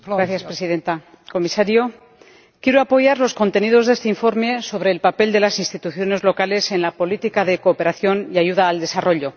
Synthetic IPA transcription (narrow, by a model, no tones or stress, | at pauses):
ɾaθjaspɾesiðe̞nt̪a | ko̞misaɾjo̞ | kje̞ɾoapo̞ʝaɾlo̞sko̞nt̪e̞niðo̞zðe̞st̪eiɱfo̞ɾme̞so̞βɾe̞ːlpape̞ld̪e̞lasinst̪it̪uθjo̞ne̞zlo̞kale̞se̞nlapo̞lit̪ikaðe̞ko̞ːpe̞ɾaθjo̞niaʝuðaːld̪e̞saro̞ʎo̞